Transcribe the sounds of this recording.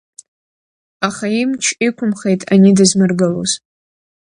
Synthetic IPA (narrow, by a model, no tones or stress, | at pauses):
aχaimt͡ʃʰikʷʰʊmχejtʼanidɨzmɨrɡɨloz̥